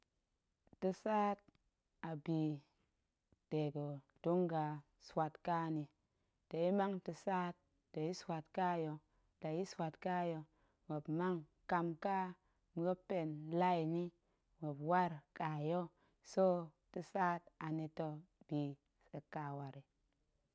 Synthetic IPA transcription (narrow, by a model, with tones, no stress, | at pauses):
ti˧saː˦t̚ | a˨biː˨ | d̥e˨ɡo˨ | tu˦ŋɡa˨ | swa˨tka˦˨ni˨ | te˨i˦ma˦ŋti˧saː˦t̚ː | e˨ji˦swa˨tka˦jo˧ | ta˨ji˦swa˨tka˦jo˧ | we˨bma˦ŋ | ka˧mka˦ | m˨ɡo˦pe˨nla˦i˨ni˦ | we˨pwa˦ɾka˨jo˦ | so˦ti˧sa˦ta˨ni˧to˧b̥i˨ | e˨ka˨wa˨ɾi˨